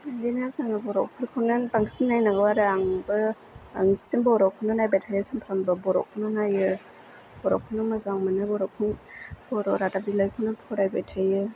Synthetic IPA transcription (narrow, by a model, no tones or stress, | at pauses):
adinazaŋabɔɾɔkʰɯɾkʰɯnanbaŋsinːajnaɡɯwaɾaŋbɯ | aŋsinbɔɾawkʰɯwnanajbajtʰajɯsampʰɾambɯbɔɾɔ̰wkʰɯnanajɯ | b̥ɔɾɔ̰wkʰɯnɯmazaŋmanɯbɔɾɔwkʰɯnbɔɾɔɾatabilajkʰɯwnanpʰɔɾajbajtʰajɯ